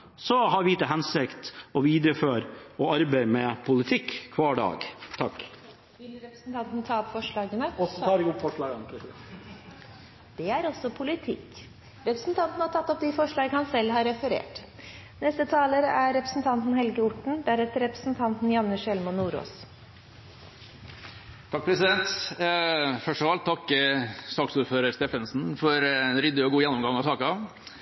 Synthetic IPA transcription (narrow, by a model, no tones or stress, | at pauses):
sɔɦɑɾʋiːt̪əɦɛnsɪkt̪ɔʋiːd̪ɾəføːɾɔɑɾbæɪmɛpʰʊlɪt̪ʰɪkːkʰʋɑːɖɑ̰ːɡt̪ʰɑk | ʋɪlɾɛpɾsn̩t̪ɑnt̪nət̪ʰɑːɔpfɔʂɭɑːɡənəɑɡ̪fɔɑ | d̪̥ɛæɾɔsːɔpʰʊlɪt̪ʰɪ̰kː | ɾɛpɾəsn̩t̪ʰɑnn̩hɑt̪ʰɑt̪ːɔpd̪ɪfɔʂɭɑːɡəhɑnsɛlːɦɑɾɛfəɾḛːʈ | nɛst̪ət̪ʰɑːləɾæːɛpɾəsn̩t̪ʰɑnt̪n̩ɦɛlɡəʊʈɳ̩d̪æɾɛt̪əɾɛpɾəsn̩t̪ʰɑnt̪n̩jɑnːəʂɛlmɔnːuːɾo̰ːs | t̪ʰɑk̚pʰɾɛsɪd̪ɛnt̪ | fœʂɔʋɑlt̪t̪ʰːɑkːsɑːksuːɾføːɾəɾst̪eːfənsn̩fɔɾnɾɪd̪ɪɔɡuːjɛnːɔmɡɑŋɑsɑːkɑɑ